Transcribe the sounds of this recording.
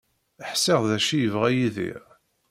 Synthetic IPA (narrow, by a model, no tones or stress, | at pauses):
əħsɪʁðæʃijəvʁæjiðḭʁ